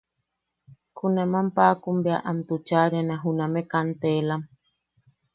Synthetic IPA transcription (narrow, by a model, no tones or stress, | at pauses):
kunamampakumbeaʔamt̪ut͡ʃaɾanãɦunamekant̪elam